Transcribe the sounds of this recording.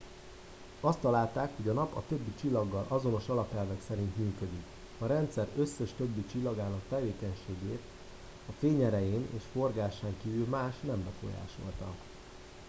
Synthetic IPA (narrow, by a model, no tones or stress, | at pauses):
ɒst̪ːɒlaːlt̪aːkho̞ɟɒnɒpɒ̰t̪ø̞bːit͡ʃilːɒɡːɒlʔɒzo̞no̞ʃɒlɒpɛlvɛksɛɾint̪myːkø̞d̪ik | ɒɾɛnt̪sɛɾø̞sːɛʃt̪øbːit͡ʃilːɒɡaːnɒk̚t̪ɛveːkɛɲʃeːɡeːt̪ | ɒfeːɲɛɾɛjeːnḛːʃfo̞rɡaːʃaːŋkiːvylmaːʃnɛmbɛfo̞̰ja̰ːʃo̞̰lt̪ɒ̰